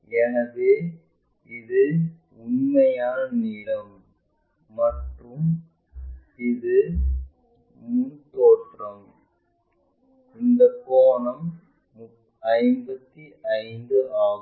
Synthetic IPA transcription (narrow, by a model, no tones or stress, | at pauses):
ɛnɐðeː | ɪðɯ | ʊnmɐjaːnniːlɐmː | ɐʈrɯm | ɪðɯ | mʊnt̪oːʈrɐm | ɪnd̪ɐkːoːnɐmː | ɐɪmbɐt̪ːiʔɐɪnd̪ɯʔaː